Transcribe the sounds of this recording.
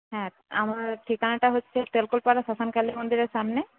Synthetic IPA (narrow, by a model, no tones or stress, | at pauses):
ɦɛ̃ | amaɾʈʰikanaʈaɦotːʰet̪elkulpaɾasasankalimond̪iɾeɾʃamne